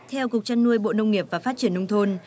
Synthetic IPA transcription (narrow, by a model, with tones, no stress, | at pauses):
t̪ʰɛ˧wkʊ˨˩k̚t͡ɕa˧nːu˧əjɓo̰˧˨nə˧wŋ͡mŋi˨˩əp̚vaː˨˩fa˦˥t͡ɕi˧˩ənːə˧wŋ͡mt̪ʰo˧n